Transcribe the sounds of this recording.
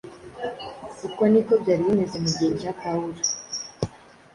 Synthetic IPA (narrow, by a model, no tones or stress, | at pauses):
kukwonikobɟaːɾiimezemuɡeɾʒatauɾa